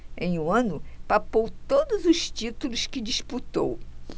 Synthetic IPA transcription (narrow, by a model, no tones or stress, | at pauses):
ẽj̃ũɐ̃nʊpapowt̪od̪ʊzʊʃt͡ʃit̪ulʊskɪd͡ʒisput̪o̰w